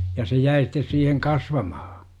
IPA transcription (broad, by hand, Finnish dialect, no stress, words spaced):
jɑ se jæi stes siːheŋ kɑsʋɑmɑhɑ̥